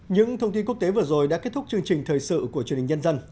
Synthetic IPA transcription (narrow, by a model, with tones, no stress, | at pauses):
ɲɨ̰˧˥ŋt̪ʰə˧wŋ͡mt̪i˧nku˦˥ək̚t̪e˨˦vɨ˨˩əzo˨˩jɗa̰˧˥ke˦˥t̪̚ʊ˦˥t͡ɕɨ˧əŋt͡ɕï˨˩ŋ̟t̪ʰəː˨˩jsɨ̰˧˨ku˧˩ət͡ɕən˨˩ŋɲə˧nzə˧n